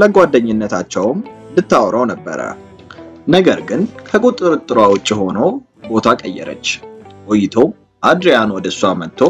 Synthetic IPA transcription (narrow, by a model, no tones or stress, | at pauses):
ləɡʷwad̪ːəɲːɪnːət̪ʰat͡ʃːɛwmlɨt̪ːawɾəwnəbːə̰ɾə̰ | nəɡəɾɡɨnkʰəkʼut̪ʼːɨɾɨt̪ʼːɨɾwawɔt͡ʃʼːɪɦo̞no | bo̞t̪ʰakʼəjːɛ̰ɾə̰t͡ʃːʔojɪt̪ʰo̞m | ʔad̪ɾijanwɔd̪əsuamət̪ʰːo̞